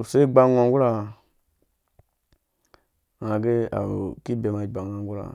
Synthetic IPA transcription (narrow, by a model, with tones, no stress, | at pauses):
se˦ɡ͡ba˦ŋʷa˨ŋ˦ɡu˦ɾa˨ | ŋa˨ɡe˦a̰˨ki˦be˨ma˨ɡ͡ba˨ŋa˨ŋɡu˦ɾa̰˨